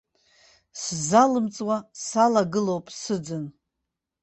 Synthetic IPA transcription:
szalɨmt͡sʼwasalaɡɨlowpʼsɨd͡zɨn

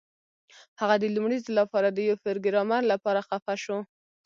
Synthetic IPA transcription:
haɣad̪əlumɽizlapɑɾad̪əjawfeɾɡɪɾɑmaɾlapɑɾaxafaʃo

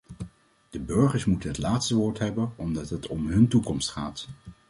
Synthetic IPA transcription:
d̥əbɵɹχəɹsmutənɦətlaːtstəʋoːɹtɦɛbənɔmdɑtɦətɔmɦɵntukɔmstχaːt

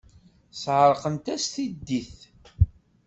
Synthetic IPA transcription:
sʕəɾˤqənt̪æst̪id̪ːiθ

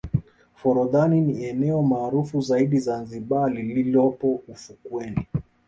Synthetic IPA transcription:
fɔɾɔðaniniɛnɛɔmaːɾufuzaiɗizanziɓalililɔpɔufukwɛni

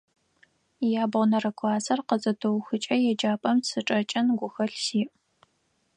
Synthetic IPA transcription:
jaːbʁʷnɐrɐkʷʰʼɑːzɐrqəzʼɐdʰɨwxɨt͡ʃʼɐjɛd͡ʒaːpʼɐmsɨʈ͡ʂʼɐt͡ʃʼɐnɡʷʊxɐɬsiːʔ

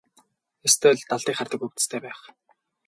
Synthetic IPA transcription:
est̪ʰʊːɮt̪aɮt̪iːχart̪ə̆kɵk̚t̪st̪ʰeːpæːχ

